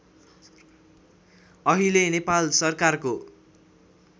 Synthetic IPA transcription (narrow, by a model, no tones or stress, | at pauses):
ʌɦilenepalsʌrkarko